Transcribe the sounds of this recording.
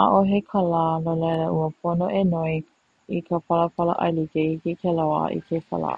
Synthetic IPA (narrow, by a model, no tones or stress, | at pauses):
aʔoɦekʰalaːnoleɾəʔuəpʰonoʔenoi | ikʰəpɐləpɐlə̰ʔɐ̰jlikeikikʰelawa̰ʔḭkʰefa̰la̰